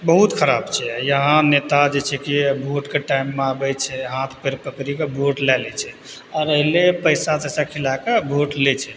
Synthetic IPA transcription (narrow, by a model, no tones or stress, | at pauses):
bəɦut̪kʰəɾabt͡ʃʰɛjəɦãnet̪ad͡ʒet͡ʃʰɛkibʱoʈkeʈajmːeabɛt͡ʃʰɛɦãt̪ʰpeɾpəkɾikebʱoʈlalɛt͡ʃʰɛ | ɔɾəɦlepəɪsad͡ʒəsakʰilakabʱoʈlet͡ʃʰɛ